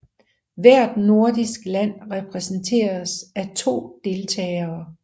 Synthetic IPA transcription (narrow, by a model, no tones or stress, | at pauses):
ʋæɐ̰d̥no̝ɐd̥isɡ̥læn̰ʁɛpʰʁɛsn̩t͡sʰe̝̰ːɐsæt͡sʰo̝̰ːd̥e̝lt͡sʰɛ̰ːɐː